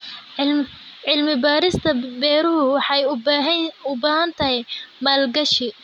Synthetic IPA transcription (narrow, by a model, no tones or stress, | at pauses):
ʕɪlmɪbaːɾɪst̪ʰɐbɛːɾʊɦʊwɑħɑjʊɦʊbaːɦɐnt̪ʰɐɦɛjmaːlɡɐʃɪ